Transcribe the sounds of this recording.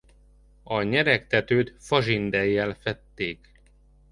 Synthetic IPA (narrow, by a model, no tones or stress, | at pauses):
ɒɲɛɾɛkt̪ɛt̪øːt̪fɒʒind̪ɛjːɛlfɛt̪ːeːk